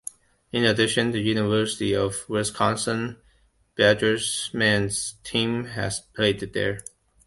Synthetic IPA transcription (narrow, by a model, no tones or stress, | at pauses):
ɪ̃nədɪʃɨ̃nðəjʉnɪvɜ˞sɪtiɔvwɪskʰɑ̃nsə̃n | b̥æd͡ʒə˞smæ̃nz̥tʰĩmæ̰z̥pʰl̥eɪd̪ðə̰˞